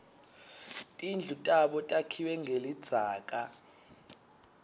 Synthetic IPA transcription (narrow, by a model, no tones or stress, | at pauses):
tʼind͡ɮʱutʼaɓɔtʼakʰiwɛŋʱelid̥z̥ʱaːk̬ʼa